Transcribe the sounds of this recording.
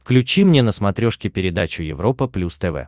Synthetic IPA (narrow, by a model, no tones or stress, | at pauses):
fklʲʉt͡ɕimnʲenəsmɐt̪ɾʲoʂkʲɪpʲɪɾʲɪd̪at͡ɕʊjɪ̰vɾo̞pəplʲust̪ɛvɛ̰